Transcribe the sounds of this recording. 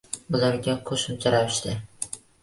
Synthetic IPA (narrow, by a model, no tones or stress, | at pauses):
ʊlaɾɡʲaqʰoʃʊmt͡ʃʰaɾawɪʃt̪ɪ